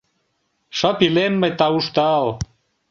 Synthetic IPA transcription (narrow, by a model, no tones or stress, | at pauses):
ʃə̆pilenmə̆jt̪ɑuʃt̪ɑl